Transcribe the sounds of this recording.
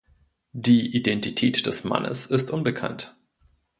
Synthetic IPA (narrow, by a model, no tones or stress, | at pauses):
d̥iːʔidɛntitʰɛːtd̥ɛsma̰nʔə̰sɪstʔʊnbəkʰa̰nt